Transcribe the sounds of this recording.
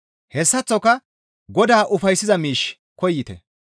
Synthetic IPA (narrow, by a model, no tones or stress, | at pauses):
hɛsːɐt͡sːɔkɐ | ɡɔd̪aːʔʊfɐjsːɪzɐmiːʃ | kɔjːɪt̪ɛ̰